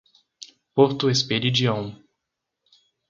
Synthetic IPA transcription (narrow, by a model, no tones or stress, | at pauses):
poɾt̪ʊespeɾid͡ʒiɐ̃w̃